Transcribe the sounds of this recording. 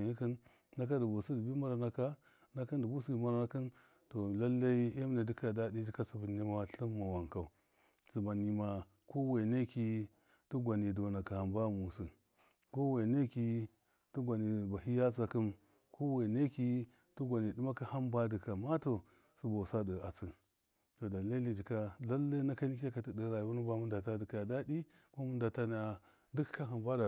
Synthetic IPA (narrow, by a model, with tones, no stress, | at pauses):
ni˦ki˦n | na˦k̬a˦du˨bo˨su˦di˨bi˦ma˦ɾa˨na˨ka˦ | na˦ki˦ndu˨bu˦si˦i˨ma˦ɾa˨na˦ki˦n | to˨la˦lːa˦i˦e˦m˦na˨di˦ka˨da˦di˦di˦ka˦su˨bu˨ni˦ma˦wa˦ɬu˦mːa˨wa˨ŋka˨u˨ | su˨ba˨ni˨ma˨ | ko˦we˨ne˦ki˦ | tu˦ɡʷa˨ni˨do˨na˨ka˨ha˨mba˦mu˨su˨ | ko˦we˨ne˦ki˦ | tu˦ɡʷa˨ni˨ba˨ɦi˦ja˦t͡sa˨kɨ˦m | ko˦we˨ne˦ki˦ | tu˦ɡʷa˨ni˨di˦ma˦ka˦ha˦mba˦dɨ˨ka˨ma˦to˨ | su˦bo˨sa˦də˨a˨t͡si˨ | to˨da˨la˦li˦d͡ʒi˨ka˦la˦lːa˦na˦ka˦ni˦ka˦ka˨ti˨də˨ɾa˨jbu˦nu˦ba˦mu˦nda˨ta˦di˨ka˨da˦di˦ | ko˦mu˦nda˨ta˦n˦a˨ | du˦kka˦ɦa˨mba˦da˨